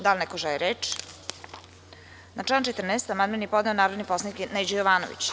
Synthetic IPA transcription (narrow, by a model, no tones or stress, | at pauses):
d̪alʲnɛkoʒɛleɾeːt͡ʂ | naʈ͡ʂaːnt͡ʃet̪r̩neːst̪amand̪menjepod̪neonaːɾod̪niposaniknejd͡ʑojoʋaːnoʋḭt͡ɕ